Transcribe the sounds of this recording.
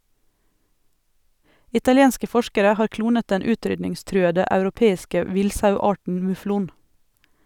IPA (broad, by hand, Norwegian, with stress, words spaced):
ɪtɑlɪˈeːnskə ˈfɔʃkəɾə ˈhɑːɾ ˈkluːnət ˈdɛn ˈʉːˌtɾʏdnɪŋˌstɾʉːədə ɑʉɾʊˈpeːɪskə ˈʋɪlsɑʉˌɑːʈɳ̩ mʉˈfluːn